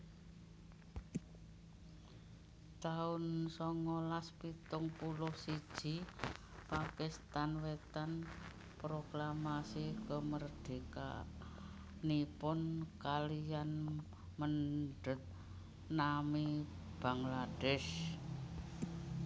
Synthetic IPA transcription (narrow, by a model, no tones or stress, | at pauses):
t̪aʊnsɔŋolaspit̪ʊŋpulʊhsid̥ʒ̥i̤ | pakɪst̪anwet̪an | pɾoklamasikəmərd̪̥e̤ka̰ | nipʊnkalijan | mənɖə̤t̪̚ | nami | b̥aŋlad̥ɛʃ